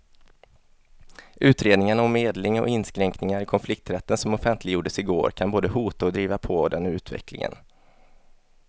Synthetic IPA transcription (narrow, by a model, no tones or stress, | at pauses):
ʔʉ̟ːt̪ɾeːd̪nɪŋaɳaɔmːeːd̪lɪŋɔ̰ʔɪnːskɾɛŋknɪŋaɾɪkʰɔnflɪk̚t̪ɾɛt̪ːənsɔmɔfɛnt̪ʰlɪɡjuːɖəsɪɡo̰ːɾkʰanboːd̪əhuːt̪aɔd̪ɾiːvapʰɔd̪ɛnʉ̟ːt̪vɛ̰klɪ̰ŋə̰n